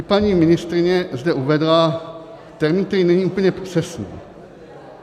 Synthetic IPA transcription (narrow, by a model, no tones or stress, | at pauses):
paɲiːmɪnɪst̪ɾɪɲɛzd̪ɛʔuvɛdla | t̪ɛɾmiːnkt̪ɛɾiːnɛɲiːʔuːpəɲɛpr̥ɛsnḭː